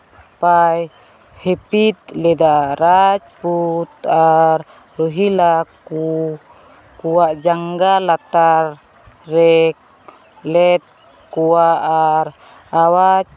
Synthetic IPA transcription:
paj | hepit̪̚ledaɾat͡ʃput̪ar | ruɦilaku | kuaʔd͡ʒaŋɡalat̪ar | rɛk | lɛt̪̚ | kuaʔar | awat͡ʃ̚

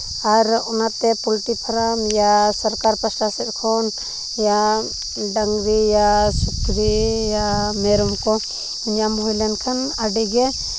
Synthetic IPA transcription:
aɾɔnat̪ɛpulʈipʰaɾamjasəɾkaɾpasʈasɛt̪̚ˀkʰɔn | ja | ɖaŋɡɾijasukɾijamɛɾɔmkɔ | iɲjambɔilankʰanaɖɛɡɛ

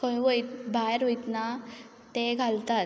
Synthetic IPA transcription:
kəjʋojt̪bajɾɦojt̪na | t̪eɡʱalt̪at̪

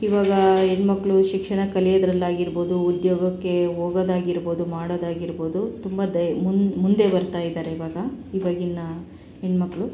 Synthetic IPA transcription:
iʋaːɡɐeɳɖmɐkːɐɭuʃikʂɐɳɐkɐlijɐd̪ɾɐlːaːɡiɾbo̞ːd̪uːd̪joːɡɐkːe̞ɦoːɡɐd̪aːɡiɾbo̞ːd̪umaːɽod̪aːɡiɾbo̞ːd̪ut̪umbɐd̪ɐmmund̪e̞bɐɾt̪aːjid̪aːɾeiʋaːɡɐiʋɐɡinːɐ | eɳmɐkːɐɭu

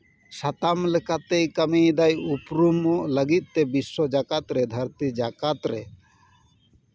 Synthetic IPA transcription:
ʃat̪amlekat̪ejkamejd̪ajupɾumoləɡit̪̚t̪ebiʃːod͡ʒakat̪ɾed̪ʱaɾt̪id͡ʒakat̪ɾe

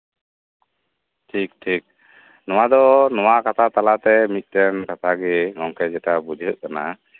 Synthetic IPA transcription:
ʈʰik̚ʈʰik̚ | nɔwad̪ɔnɔwakat̪ʰat̪alat̪ɛmit̪̚ˀt̪ɛnkat̪ʰaɡɛŋɔŋkɛd͡ʒɛʈabud͡ʒʱəʔ̪̚kana̰

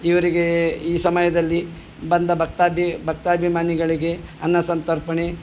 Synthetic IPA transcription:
iʋɐɾiɡeiːsɐmɐjɐd̪ɐlːi | bɐnd̪ɐbʱɐk̚t̪aːbʱibʱɐk̚t̪aːɐbʱimaːniɡɐɭiɡe̞ɐnːɐsɐnt̪ɐɾpɐɳe̞

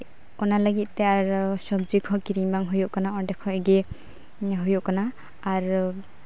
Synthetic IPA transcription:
ɔnalaɡit̪̚ˀtɛaɾsɔbd͡ʒikʰɔkiɾiŋbaŋɦujɔʔkanaɔndɛkʰɔɡe | ɦujuʔkanaː | ɾ

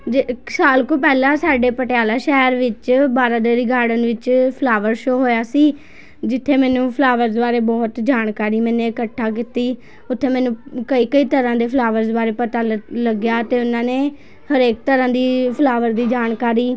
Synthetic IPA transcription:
ɪksaːlkõːpɛːlãːsaːɖeːpəʈjaːlaːʃɛːɾʋɪt͡ʃbaːɾãːd̪eːɾiːɡaːɽənʋɪt͡ʃpʰəlaːʋəɾʃoːɦoːjaːsiː | d͡ʒɪt̪ʰːeːmɛ̃ːnũːpʰlaːʋəɾzbaːɾeːbɔːt̪d͡ʒaːɳkaːɾiːmɛ̃ːnẽːɪkəʈʰːaːk̬iːt̪iː | ʊt̪ʰːeːmɛ̃ːnũːkəiːkəiːt̪əɾãːd̪eːpʰlaːʋəɾzbaːɾeːpət̪aːləɡjaːt̪eːʊnãːneː | həɾeːk̚t̪əɾãːd̪iːpʰəlaːʋəɾd̪iːd͡ʒaːɳkaːɾiː

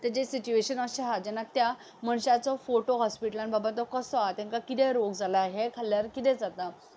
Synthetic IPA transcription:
t̪ad͡ʑesit͡ɕueɕənɔɕeɦad͡ʑɛnːat̪ja | məɳɕat͡sɔfoʈoɦɔspiʈəlanbʱabat̪ɔkəsɔat̪ɛ̃ŋkakit̪ɛɾoɡd͡zʱalaɦekʰaljaɾkit̪ɛ̃d͡zat̪a

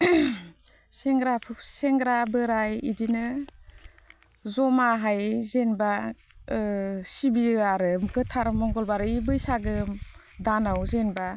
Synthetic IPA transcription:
seŋɾapʰseŋɡɾabɯɾajḭdinɯ | zɔmaɦajzenba | sibiɯaɾɯmɡɯtʰaɾmɔŋɡɔlbaɾɯibɯjsaɡɯ | danawzenba

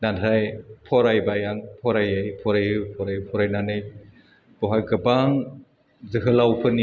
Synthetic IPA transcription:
nantʰajpʰɔɾajbajaŋpʰɔɾajɯjpʰɔɾajɯpʰɔɾajɯpʰɔɾajnanɯj | bɔɦajɡɯbaŋ | zɯɦɯlawpʰɯni

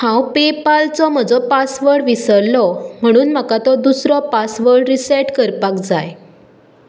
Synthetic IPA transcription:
hãwpepalt͡sɔm̤əd͡zɔpasʋəɽʋisəɾlɔm̤əɽ̃uːnmakat̪ɔd̪usɾɔpasʋəɽɾisaʈkəɾpakd͡zaj

